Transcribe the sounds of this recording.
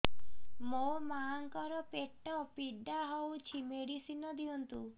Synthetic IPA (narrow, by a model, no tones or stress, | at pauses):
momaŋkɔɾɔpeʈːɔpiɖaɦɔwt͡ʃʰimeɽisinɔd̪iɔnt̪u